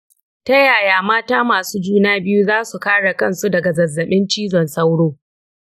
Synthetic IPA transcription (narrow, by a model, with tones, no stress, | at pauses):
tɐ˦jaː˨jaː˨maː˦taː˦maː˨suː˦d͡ʒuː˦naː˦bɪ˦ju˦zaː˦su˨kaː˦ɽa˨kɐ˦˨nsu˦dɐ˨ɡa˨zɐ˨zːɐ˨ɓɪ˦nt͡ʃiː˦zɔ˨nsɐ˦wɽoː˦